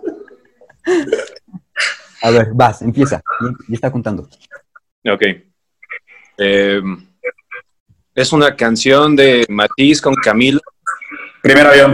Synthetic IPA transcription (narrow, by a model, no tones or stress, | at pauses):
aβeɾbasempje̞sa̰jeest̪akont̪and̪o | okej | em | e̞sunakansjo̞nd̪e̞mat̪isko̞ŋkamilo | pɾimeɾoβjo